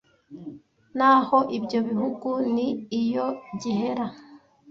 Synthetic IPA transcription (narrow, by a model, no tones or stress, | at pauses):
naho̞ʔibɟo̞βiɦuɡuniːjo̞ɟihe̞ɾa